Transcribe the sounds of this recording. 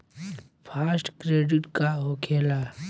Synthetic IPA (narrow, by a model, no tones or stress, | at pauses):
pʰaːsʈkɾeːɖɪʈkaɦoːkʰeːla